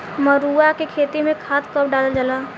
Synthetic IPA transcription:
məɾuːakekʰeːt̪imẽkʰaːt̪kəpɖaːləld͡ʒəlaː

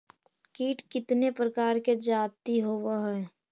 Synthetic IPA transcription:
kiːʈkɪt̪nepɾəkaːɾked͡ʒaːt̪iɦoʋaɦɛː

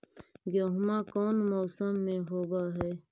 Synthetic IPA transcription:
ɡjoːɦʊmãːkoːnmoːsəmːẽɦoːbaɦɛː

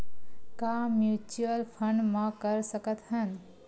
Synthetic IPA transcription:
kaːmjut͡ʃuəlpʰəɳɖmãkəɾsəkət̪ɦən

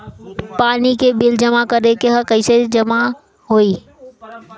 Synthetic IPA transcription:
paːnikebɪld͡ʒəmakəɾekeɦəkəɪsed͡ʒəma | ɦoːiː

